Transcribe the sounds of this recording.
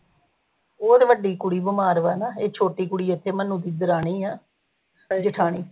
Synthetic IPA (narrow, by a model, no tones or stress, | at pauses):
oːt̪eʋəɖiːkʊɽiːbəmaːɾʋɛːnaːeːt͡ʃʰoːʈiːkʊɽiːɪt̪ʰːeːmənũːt̪iːd̪əɾaːɽ̃iːaː | d͡ʒɪʈʰaːɳiː